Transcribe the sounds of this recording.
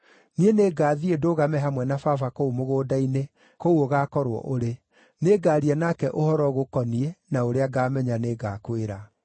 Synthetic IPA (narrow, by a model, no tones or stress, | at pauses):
nieneɡaːðiedoːɣamɛɦamwɛnafafakoumoɣoːdaine | kouoɣaːkɔɾwɔ̰ʔoɾe | neɡaːɾianakɛʔohɔɾɔɣokɔnienaoɾeaɡaːmɛɲaneːɡakweɾa